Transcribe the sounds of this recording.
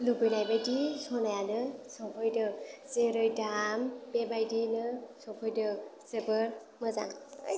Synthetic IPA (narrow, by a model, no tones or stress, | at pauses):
lubɯjnajbajdisɔnajanɯsɔpʰɯjdɯzeɾɯjdampebajdinɯsɔpʰɯjdɯzebɯɾ | mɯza̰ŋ̰